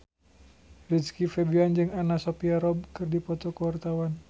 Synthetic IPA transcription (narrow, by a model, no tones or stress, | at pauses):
riskifebiand͡ʒɨŋanasopiaɾɔb̚kɨrdipɔt̪ɔkəwart̪awan